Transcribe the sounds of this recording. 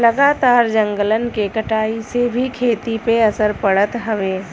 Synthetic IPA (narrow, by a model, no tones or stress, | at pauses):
lɐɡaːt̪aːɾd͡ʒɐ̃ŋɡələnkekɐʈaːisebʱikʰeːt̪ipeɐsəɾpɐɽət̪ɦɐʋeː